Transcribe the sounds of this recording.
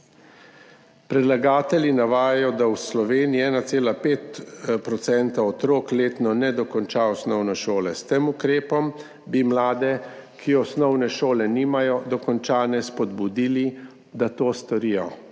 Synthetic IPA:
pɾɛd̪laɡaːt̪ɛljinaʋaːjajɔd̪awslɔʋeːniɛːnat̪seːlapeːt̪pɾɔt̪sɛnt̪aɔt̪ɾoːkleːt̪nɔnɛd̪ɔkɔnt͡ʃaɔsnɔwnɔʃoːlɛst̪emukɾeːpɔm | bimlaːd̪ɛkʰiɔsnɔwnɛʃoːlɛniːmajɔd̪ɔkɔnt͡ʃaːnɛspɔd̪bud̪iːli | d̪at̪oːst̪ɔɾiːjɔ

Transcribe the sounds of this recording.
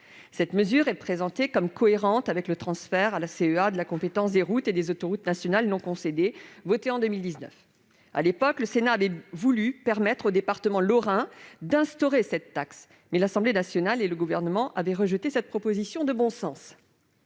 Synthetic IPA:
sɛt̪məzyʁɛpχezɑ̃t̪ekɔmkɔeʁɑ̃t̪avɛklət̪χɑ̃sfɛʁalaseøad̪əlakɔ̃pet̪ɑ̃sd̪eʁut̪ed̪ezot̪ɔʁut̪nasjɔnalnɔ̃kɔ̃sed̪evɔt̪eɑ̃d̪əmild̪iznœ̰f | a̰lepɔkləsenaːvɛvulypɛʁmɛt̪χod̪epaʁt̪əmɑ̃lɔʁɛ̃d̪ɛ̃st̪ɔʁesɛt̪ːaks | mɛlasɑ̃blenasjɔnaleləɡuvɛʁnəmɑ̃ʔavɛʁəʒət̪esɛt̪̚pχɔpozisjɔ̃d̪əbɔ̃sɑ̃s

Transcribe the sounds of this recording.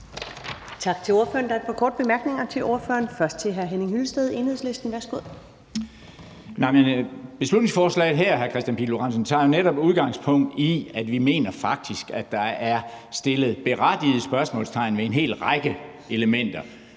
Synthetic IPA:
t͡sʰɑ̈ɡ̥̚t͡sʰe̝lo̝ɐføːɐnd̥ɑæd̥fɒ̽kʰɒːd̥əb̥e̝mæɐɡ̥ne̝ŋɐt͡sʰe̝lʔo̝ɐfø̰ɐnfɶɐsd̥̚t͡sʰe̝lɦæɐɦeneŋhylsd̥eð̞̩ˠe̝nheðˠsle̝sd̥n̩ʋæɐsɡ̥oð̰ˠ | nɑ̈ɪmenb̥e̝slud̥ne̝ŋsfɒːslɛ̰ɪð̞̩ˠɦæɐ̰ɦæɐkʰʁɛsd̥jænpʰḭloʁɑn̰s̬ən̩t͡sʰɑ̰̈ːjo̝neɾɒ̽b̥uð̞ˠɡ̥ɑ̈ŋ̰spʰɔ̽ŋ̰d̥iæd̥ʋime̝̰ːnɐfɑ̈ɡ̥̚d̥isɡ̥æd̥ɑ̈æɐ | sd̥e̝lð̩ˠb̥e̝ʁad̥ið̩ˠsb̥ɶɐsmɔ̰ːlst͡sʰɑ̈ɪ̰nʋeenɦe̝̰ːlʁɑ̈ɪɡ̥ə | e̝ləmen̰d̥ɐ

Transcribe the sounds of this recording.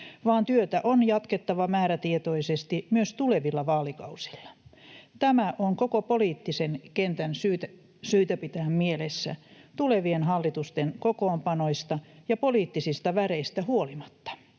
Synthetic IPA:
ʋɑːnt̪yøt̪æʔonjɑt̪ket̪ːɑʋɑmæːɾæt̪iet̪oisest̪imyøst̪uleʋilːɑʋɑːlikɑusi̥lːɑ̥t̪æmæʔoŋkokopoliːt̪ːisenkent̪ænsyːt̪æ | syːt̪æpit̪ææmmielesːæ̰t̪uleʋienhɑlːit̪ust̪enkokoːmpɑnoist̪ɑjɑpoliːt̪ːisist̪ɑʋæreist̪æhuolimɑt̪ːɑ̥

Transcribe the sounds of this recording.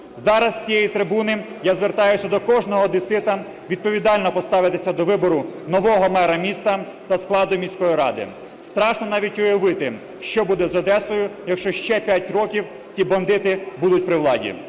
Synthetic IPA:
zɑɾɐst͡sʲijɛjit̪ɾɪbunɪ | jazʋert̪ɑjʊsʲɐd̪ɔkɔʒnɔɦɔd̪ɪsɪt̪ɐ | ʋʲid̪̚pɔʋʲid̪ɑlʲnɔpɔst̪ɑʋɪt̪esʲɐd̪ɔʋɪbɔɾʊnɔʋɔɦɔmɛɾɐmʲist̪ɐ | t̪ɐsklˠɑd̪ʊjmʲisʲkɔjiɾɑ̰d̪ɪ̰ | st̪ɾɑʃnɔnɑʋʲitʲɔjɐʋɪt̪ɪ | ʃt͡ʃɔbud̪ɛzɔd̪ɛsɔjʊjɐkʃt͡ʃɔʃt͡ʃɛpʲjatʲrɔkʲiw | t͡sʲibɐnd̪ɪt̪ɪbud̪ʊt̚ʲpɾɪʋlˠɑdʲḭ

